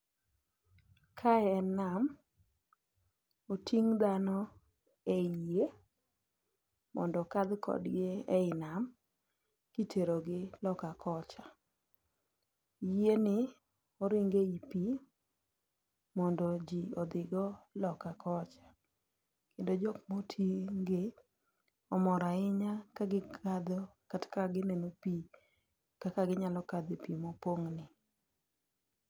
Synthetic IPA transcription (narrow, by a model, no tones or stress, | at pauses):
kʰaɛɛnam | otʰiŋd̪anɔ | eje | mɔ̰ndɔkad̪kʰɔ̰dɡɪɛɪnam | kitʰeɾoɡɪlɔkakʰɔt͡ʃa | jenɪ | ɔɾɪŋɡeipi | mɔndod͡ʒiɔd̪ɪɡɔlɔkakʰɔt͡ʃḁ | kendod͡ʒɔkmotʰiŋɡe | ɔmɔɾaɪɲakaɡɪkʰad̪ɔkatkaɡɪnɛnopi | kakaɡɪɲalɔkad̪epimopoŋnɪ